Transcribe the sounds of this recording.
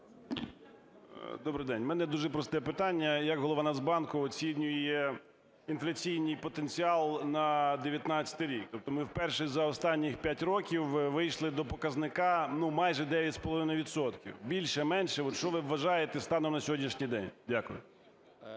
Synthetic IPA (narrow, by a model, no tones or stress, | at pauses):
d̪ɔbɾɪjd̪ɛnʲmɛnɛd̪uʒɛpɾɔst̪ɛpɪt̪ɑnʲːɐjɐkɦɔlˠɔʋɑnɐzbɑnkʊɔt͡sʲinʲʊjjɛ | inflʲɐt͡sʲijnʲijpɔt̪enʲt͡sʲiɑlˠnɐd̪eʋʲjɐt̪nɑt͡ssʲɐ̥t̪ɪɾʲik̚t̪ɔp̚t̪ɔmɪwpɛrʃɪzɐɔst̪ɑnʲːɪxpʲjatʲɾɔkʲiwʋɪjʃlˠɪd̪ɔpɔkɐznɪkɑnumɑjʒɛd̪ɛʋʲjɐtʲspɔlɔʋɪnɐjʋʲid̪sɔt̪kʲḭwbʲilʲʃɛmɛnʃɛɔt̪ʃt͡ʃɔʋɪʋːɐʒɑjet̪ɛst̪ɑnɔmnɐsʲɔɦɔdʲnʲiʃnʲijd̪ɛnʲdʲakʊjʊ